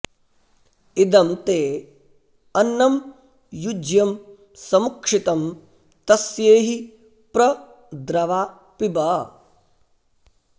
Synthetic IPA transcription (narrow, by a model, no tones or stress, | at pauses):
id̪ɐmt̪eː | ɐnːɐm | jud͡ʒjɐm | sɐmukʂit̪ɐm | t̪ɐsjeːɦi | pɾɐ | d̪ɾɐʋaː | pibɐ